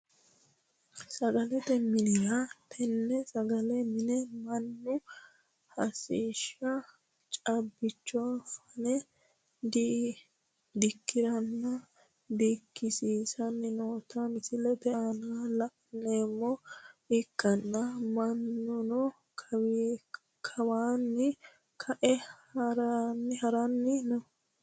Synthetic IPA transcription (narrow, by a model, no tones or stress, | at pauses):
sɐɡɐlɛt̪ɛmːɪnɪɡɐt̪ʰɛnːɛsɐɡɐlɛmɪnɛmɐnːʊ | hɐsiːʃɐ | t͡ʃʼɐbːɪt͡ʃːɔfɐnɛ | d̪i | d̪ɪkʰːɪɾɐnːɐ | d̪ɪkːɪsiːsɐnːɪnoːt̪ɐnɪsɪlɛt̪ɛnalɐʔneːmːɔɪkːɐnːɐmɐnːʊnɔ | kʰw | kʰɐwaːnːɪ | kʰɐʔɛhɐɾɐnːhɐɾɐnːɪnɔ